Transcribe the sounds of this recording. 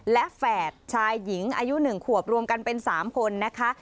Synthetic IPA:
lɛ˦˥ʔfɛː˨˩t̪̚t͡ɕʰaː˧jːi˩˦ŋʔa̰ː˧ju˦˥nɯ˨˩ŋkʰu˨˩əp̚ɾu˧əmka˧npe˧nsaː˩˦mkʰo˧nːa˦˥kʰa˦˥

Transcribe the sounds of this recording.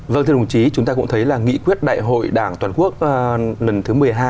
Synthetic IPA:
və˧˨ŋt̪ʰŋ͡mt͡ɕi˨˦t͡ɕʊ˨˦ŋ͡mt̪aː˧kʊ̰˧˥ŋ͡mt̪ə˨˦jlaː˨˩ŋḭ˧˥kwi˦˥ət̚ɗa̰ː˧˨jɦo̰˧˨jɗaː˧˩ŋt̪waː˨˩nku˦˥ək̚lə˨˩nt̪ʰɨ˨˦mɨ˨˩əjɦaː˧j

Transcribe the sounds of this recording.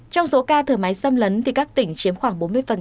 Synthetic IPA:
t͡ɕɔ˧wŋ͡mso˨˦kaː˧t̪ʰəː˧˩ma˨˦jsə˧mlə˨˦nt̪ʰi˨˩kaː˦˥k̚t̪ï˧˩ŋ̟t͡ɕi˨˦əmxwaː˧˩ŋɓo˨˦nmɨ˧əjfə˨˩n

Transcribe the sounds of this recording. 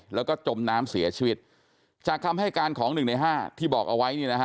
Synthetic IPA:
lɛː˦˥wkɔː˥˩t͡ɕo˧mnaː˦˥msi˩˦ɐt͡ɕʰiː˧˩wi˦˥t̪̚ | t͡ɕaː˨˩k̚t̪ʰa˧mɦa˥˩jkaː˧nkʰɔː˩˦ŋnɯ˨˩ŋna˧jɦaː˥˩t̪ʰiː˥˩bɔː˨˩k̚ʔa˧wa˦˥jniː˥˩na˦˥kʰ

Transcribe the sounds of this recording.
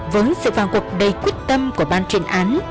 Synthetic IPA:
vəː˨˦jsɨ̰˧˨faː˨˩nkwk̚ɗə˨˩jkwi˦˥ət̚t̪ə˧mku˧˩əɓaː˧nt͡ɕi˧˨nʔaː˨˦n

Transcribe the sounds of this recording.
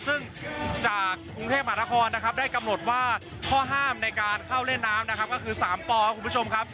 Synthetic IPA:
sɯ˥˩ŋ | t͡ɕaː˨˩kːɾu˧ŋʰeː˥˩ma˧ɦaː˩˦˥kʰɔː˧nːa˦˥kʰa˦˥p̚daː˥˩jka˧mno˨˩t̪̚waː˥˩ | kʰɔː˥˩ɦaː˥˩mna˧jkaː˧nkʰa˥˩wle˥˩nːaː˦˥mna˦˥kʰa˦˥p̚kɔ˥˩kʰɯː˧saː˩˦mt̪ɔː˧a˦˥kʰu˧mbu˥t͡ɕʰo˧mkʰa˦˥p̚

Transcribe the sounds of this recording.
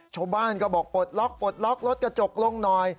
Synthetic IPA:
t͡ɕʰaː˥˩wbaː˥˩nkɔː˥˩bɔː˨˩k̚po˨˩t̪̚lɔ˦˥k̚po˨˩t̪̚lɔ˦˥k̚ɾo˦˥t̪̚ka˧t͡ɕo˨˩k̚lo˥˩˨ŋnɔː˧j

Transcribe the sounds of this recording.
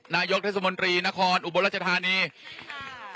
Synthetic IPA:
naː˧jo˦˥k̪̚ʰeː˥˩s̬a˧mo˧nt̪ɾiː˧na˦˥kʰɔː˧nʔu˨˩bo˧nɾa˥˩t͡ɕa˧t̪ʰaː˧niː˧

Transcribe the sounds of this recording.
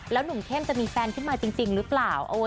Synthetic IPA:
lɛː˦˥wnu˨˩˦ŋk̪ʰe˥˩mt͡ɕa˨˩ʔmiː˧fɛː˧nkʰɯ˥˩nmaː˧t͡ɕi˧ŋt͡ɕi˧ŋɾɯː˦˥plaː˨˩wʔa˧wa˦

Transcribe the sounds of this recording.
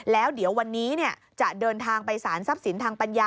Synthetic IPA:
lɛː˦˥wdi˩˦əwːa˧nːiː˦˥ni˥˩ɐ | t͡ɕa˨˩ʔdɤː˧nt̪ʰaː˧ŋpa˧jsaː˩˦nsa˦˥p̚si˩˦nt̪ʰaː˧ŋpa˧njaː˧

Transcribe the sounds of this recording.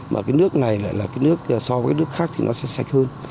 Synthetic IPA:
maː˨˩kaː˨˦jnɨ˦˥ək̚na˨˩jla̰ː˧˨jlaː˨˩kaː˨˦jnɨ˦˥ək̚ːsɔ˧vkaː˧˦jnɨ˦˥ək̚xaː˦˥k̚t̪ʰi˨nʔɔ˨˦sɛ̰˧˥sa˨˩jk̟̚həː˧n

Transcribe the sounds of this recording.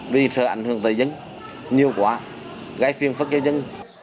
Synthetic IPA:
vḭ˨˩˨səː˧˩ʔa̰˧˩jŋ̟hɨ˨˧˩əŋt̪əː˨˩zə˧˦n | ɲi˨˩əwkwaː˨˦ | ɣa˨˦jfi˧ənfə˦˥t̚zaː˧zə˧˦n

